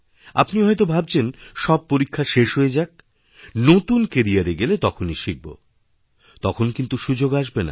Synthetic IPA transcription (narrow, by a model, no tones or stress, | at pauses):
a̰pniɦɔet̪obʱab̚t͡ɕʰenʃɔb̚poɾikʰːaʃeʃɦoed͡ʑaɡ̚ | not̪unkeɾiaɾeɡelet̪ɔkʰoniʃiɡ̚bo̰ | t̪ɔkʰonkint̪uʃud͡ʑoɡaʃbena̰